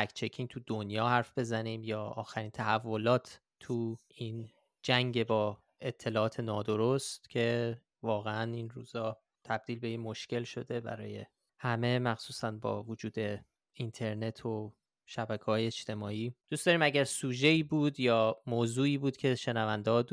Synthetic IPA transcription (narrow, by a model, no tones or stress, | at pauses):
mækʰt͡ʃʰecʰiŋt̪ʰud̪onjɒːhæɾfbe̞zæniːmjɒːɒːxæɾiːnt̪ʰæhævːo̞lɒːt̪ʰ | t̪ʰuiːn | d͡ʒæŋɟe̞bɒː | e̞t̪ʰːe̞lɒːɒːt̪ʰe̞nɒːd̪o̞ɾost̪cʰe̞ | vɒːɣeæninruːzɒː | t̪ʰæb̚d̪iːlbe̞jemoʃce̞lʃo̞d̪e̞bæ̰ɾɒːje̞̰ | hæme̞mæxsuːsænbɒ̰ːvud͡ʒuːd̪e̞ | int̪ʰe̞ɾne̞t̪ʰo | ʃæbækʰeɒːjeet͡ʃt̪e̞mɒːiːd̪ustd̪ɒːɾiːmæɟæɾsuːʒe̞iːbuːd̪jɒːmoːzuːiːbuːd̪cʰe̞ʃe̞nævænd̪eɒːd̪